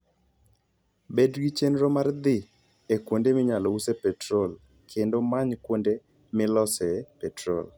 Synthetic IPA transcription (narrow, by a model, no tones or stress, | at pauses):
bedɡit͡ʃenɾomard̪ɪ | ekwondemɪɲalɔusepɛtɾol | kʰendomaɲkwonde | mɪlɔsɛpɛtɾo̰l